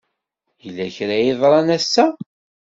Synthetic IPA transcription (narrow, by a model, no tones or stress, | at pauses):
jəlːæçɾæjeðˤɾˤɑnæsːæ